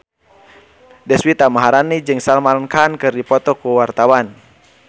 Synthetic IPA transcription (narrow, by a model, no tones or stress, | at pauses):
dɛswit̪amaɦaɾanid͡ʒɨŋsalmankankɨrdipɔt̪ɔkuwart̪awan